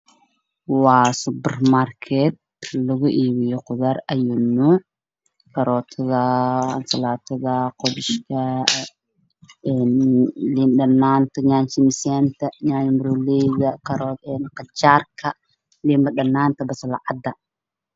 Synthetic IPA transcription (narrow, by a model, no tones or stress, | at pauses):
waːsʊbɛrmarkʰɛt̪̚lɐɣʊʔiːβɪjɔqʊðɐɾɐjʊnʊ | kʰɐɾɔːt̪ʰɐðɐɐnsɐlaːt̪ʰɐðɐqɔβɪʃkʰɐ | ɛnlinɗɐnːaːnt̪ʰɐɲaːnt͡ʃɪmsɛːnt̪ʰɐɲaːnmɾulɛjɣɐkɐɾɔɛnqɑt͡ʃaːrkʰɐ | limbɐɗɐnaːnt̪ʰɐbɐsɐlaʕɑd̪ɐ